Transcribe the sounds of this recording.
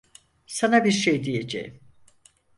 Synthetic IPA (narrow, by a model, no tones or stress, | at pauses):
sanabiɾʃejd̪ije̞d͡ʒḛjm